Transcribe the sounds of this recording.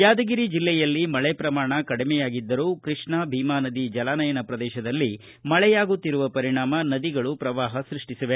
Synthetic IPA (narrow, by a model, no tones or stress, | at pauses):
jaːd̪ɐɡiɾid͡ʒilːɛjɐlːimɐɭɛpɾɐmaːɳɐkɐɽimɛjaːɡid̪ːɐɾuːkɾiʂɳɐbʱiːmaːnɐd̪id͡ʒɐlaːnɐjɐnɐpɾɐd̪ɛːʃɐd̪ɐlːi | mɐɭɛjaːɡut̪ːiɾuʋɐpɐɾiɳaːmɐnɐd̪iɡɐɭupɾɐʋaːɦɐsɾiʂʈisɐʋe